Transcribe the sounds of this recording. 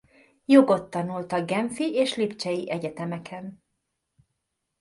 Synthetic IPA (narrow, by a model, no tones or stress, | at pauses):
jo̞ɡo̞t̪ːɒnult̪ɒɡɡɛɱfiʔeːʃlipt͡ʃɛjiʔɛɟɛt̪ɛmɛkʰɛn